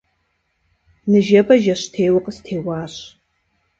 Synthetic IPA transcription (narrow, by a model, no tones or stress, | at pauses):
nɨʒɐbɐʒɐɕtʰeːwɐqʼəstʰeːwaːɕ